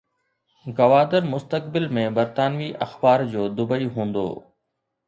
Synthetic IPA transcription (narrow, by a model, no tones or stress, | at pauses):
ɡɐʋaːd̪əɾmʊst̪əkbɪlmẽbɐɾt̪aːnʋiʔɐxbaːɾd͡ʑoːd̪ʊbəiɦũːnd̪o̰ː